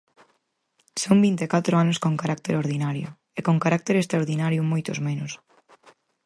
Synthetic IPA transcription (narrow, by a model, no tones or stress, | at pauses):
sombint̪ekat̪ɾʊanʊskoŋkaɾak̚t̪eɾoɾðinaɾjʊ̰ | ekoŋkaɾak̚t̪eɾest̪ɾaoɾðinaɾjʊmojt̪ʊzmenʊs